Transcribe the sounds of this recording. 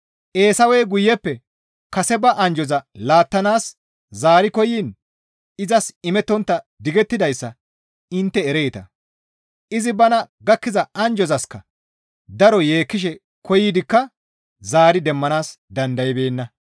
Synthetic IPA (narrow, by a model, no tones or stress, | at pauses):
ʔe̞ːsɐwɛjɡʊjːɛpːɛ | kɐsɛbɐʔɐnd͡ʒɔzɐlaːt̪ːɐnaːs | zaːɾɪkɔjiːn | ɪzɐsɪmɛt̪ːɔnt̪ːɐd̪ɪɡɛt̪ːɪd̪ɐjsːɐ | ɪnt̪ːɛːɾeːt̪ɐ | ʔɪzɪbɐnɐ | ɡɐkːɪzɐɐnd͡ʒɔzɐskːɐ | d̪ɐɾɔje̞ːkːɪʃ̬ɛ | kɔjɪːd̪ɪkːɐ | zaːɾɪd̪ɛmːɐnaːs | d̪ɐnd̪ɐjɪbe̞ːnːɐ